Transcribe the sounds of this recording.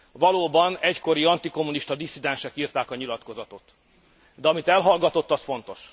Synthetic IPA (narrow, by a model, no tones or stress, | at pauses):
vɒloːbɒnɛcko̞ɾiɒnt̪iko̞mːuniʃt̪ɒd̪isːid̪ɛnʃɛkiːrt̪aːkɒɲilɒt̪ko̞zɒt̪o̞t̪ | d̪ɛɒmit̪ɛlɦɒlɡɒt̪o̞t̪ːɒsfo̞n̪t̪o̞ʃ